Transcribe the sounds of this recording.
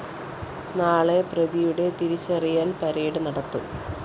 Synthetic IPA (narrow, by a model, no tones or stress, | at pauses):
naːɭe̞prɐðijuɽe̞t̪iɾit͡ɕːɐrijaːlpɐɾeːɽɨnɐɽɐt̪ːu